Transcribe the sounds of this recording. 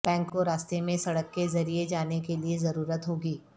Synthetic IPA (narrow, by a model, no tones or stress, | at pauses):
b̥ɛ̃ːŋkːoɾaːst̪emẽsɐɽəkːezɐɾied͡ʒaːnekeliezɐɾuːɾət̪ɦoːɡiː